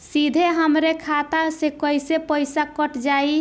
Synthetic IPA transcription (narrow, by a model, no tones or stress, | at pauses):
sid̪ʱeɦəmɾekʰat̪asekəjsepəjsakəʈd͡ʒai